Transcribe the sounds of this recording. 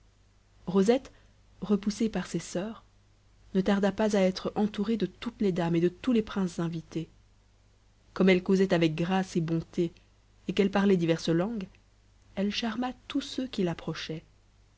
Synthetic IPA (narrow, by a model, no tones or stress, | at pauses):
ʁozɛt̪ | ʁəpusepaʁsesœːʁ | nət̪aʁd̪apazaɛt̪χɑ̃t̪uʁed̪ət̪ut̪led̪amed̪ət̪ulepχɛ̃szɛ̃vit̪e | kɔmɛlkozɛt̪avɛk̚ɡʁasebɔ̃t̪eː | kɛlpaʁlɛd̪ivɛʁslɑ̃ɡ | ɛlʃaʁmat̪usøkʲilapχɔʃɛ